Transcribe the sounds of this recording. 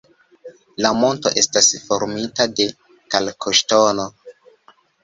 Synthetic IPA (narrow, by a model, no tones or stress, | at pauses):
lamo̞nto̞̰ʔe̞stasfo̞ɾmitade̞ | kalkʰoʃtono̞